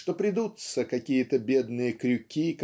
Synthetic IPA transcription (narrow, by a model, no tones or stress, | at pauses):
ʂt̪opɾʲɪd̪ut̪səkɐkʲijət̪əbʲed̪nɨjəkɾʲʉkʲik